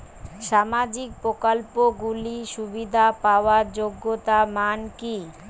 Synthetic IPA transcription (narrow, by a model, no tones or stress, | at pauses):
ʃamad͡ʑik̚pɾokalpoɡuliʃubid̪ʱapaoaɾd͡ʑoɡːot̪amanki